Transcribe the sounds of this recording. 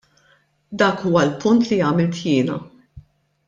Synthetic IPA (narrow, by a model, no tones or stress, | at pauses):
d̪ɐːkuːwɐlpʊnt̪lijɐːmɪlt̪jɪːnɐ̰